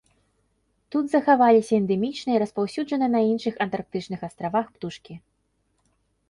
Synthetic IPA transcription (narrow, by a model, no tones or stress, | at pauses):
t̪ud̪zɐxavalʲisʲɐɛnd̪ɛmʲit͡ʂnɐiɾɐspawsʲuʐɐnɨnɐinʂɨxɐnt̪ark̚t̪ɨt͡ʂnɨxast̪ɾavaxpt̪uʂkʲi